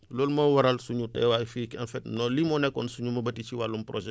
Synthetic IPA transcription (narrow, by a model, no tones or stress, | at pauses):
lɔːlmɐwɐɾalsuɲutɛ̰wafikɐnfɛtnɔlimɔnɛkːɔ̰nsuɲumɐbɐtit͡ʃiwalumproʒɛ